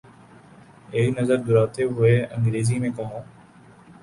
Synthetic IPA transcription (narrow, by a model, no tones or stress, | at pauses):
eːinəzəɾd̪ʊɾaːt̪eːɦʊeːə̃ŋɡɾeːziːmẽːkoːõː